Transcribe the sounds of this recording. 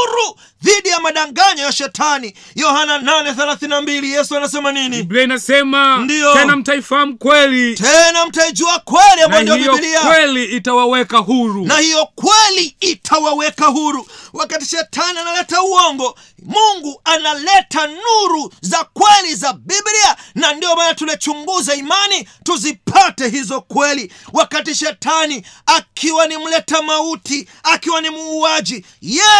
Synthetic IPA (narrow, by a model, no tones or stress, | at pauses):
ɾu | ðiɗijamaɗaŋɡaɲɔjaʃɛtʰani | jɔhanananɛθɛlaθininambilijɛsuanasɛmaniniɓiainasɛmandijɔtɛnam̩taifaam̩kwɛlitɛnam̩taid͡ʒuakwɛlihanbandijɔɓiɔiliawɛliitawawɛkaɦuɾunahijɔkwɛliitʰawawɛkaɦuɾuwakati̥ʃɛtʰanianalɛtauɔŋɡɔ | muŋɡuanalɛtanuɾuzakwɛlizabiblianandiɔmaːnatulat͡ʃuŋɡuzaimanituzipʰatɛɦizɔkwɛliwakatiʃɛtaniakʰiwanim̩lɛtamauti | akiwanimuːad͡ʒi | jɛ